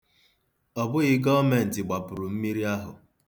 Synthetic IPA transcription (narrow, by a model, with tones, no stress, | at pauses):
ɔ˨bʊ˦ɣɪ˨ɡɔ˦me˨n̩˨tɪ˨ɡ͡ba˨pʊ˨ɾʊ˨m̩˦mi˦ɾi˦a˦ɦʊ˨